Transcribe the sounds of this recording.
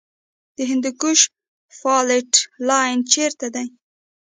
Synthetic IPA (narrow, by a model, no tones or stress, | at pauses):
d̪̥əɦɪnd̪ʊkʊʃ | fɑlɪʈlɑjnt͡ʃeɾt̪ad̪aj